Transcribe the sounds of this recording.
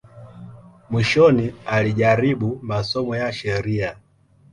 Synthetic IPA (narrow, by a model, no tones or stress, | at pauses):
mwiʃɔnialiʄaɾiɓumasɔmɔjaʃɛɾia